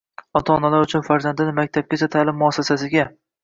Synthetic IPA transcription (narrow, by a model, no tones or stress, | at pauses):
ɒt̪ʰaːnalaɾʊt͡ʃʰʊnfaɾzand̪ɪnɪmak̚ʲt̪ʰab̚kʲat͡ʃʰat̪ʰaːlɪmːʊɒsasasɪɡʲa